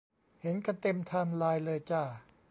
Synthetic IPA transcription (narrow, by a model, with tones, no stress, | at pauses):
he˩˦nka˧t̪e˧mt̪ʰaː˧mlaː˧jlɤː˧jt͡ɕaː˧˩